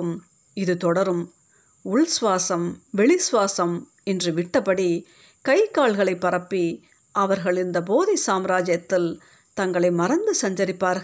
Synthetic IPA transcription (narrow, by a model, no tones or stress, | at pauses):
ɯm | ɪðɯt̪ɔɽɐɾɯm | ʊɭsʋaːsɐmʋɛɭɪsʋaːsɐm | ɛndrɯʋɪʈːɐpːɐɽi | kɐɪkːaːɭɣɐɭɐɪpːɐɾɐpːi | ʔɐʋɐɾɣɐɭɪnd̪ɐboːðisaːmɾaːd͡ʒjɐt̪ːɪl | t̪ɐŋɡɐɭɐɪmɐɾɐnd̪ɯsɐɲd͡ʒɐɾɪpːaːɾɣɐ